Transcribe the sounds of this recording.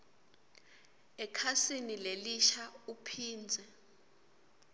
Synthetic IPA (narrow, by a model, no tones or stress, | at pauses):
ɛkʰasinileliʃaupʰiːnd͡zʱɛ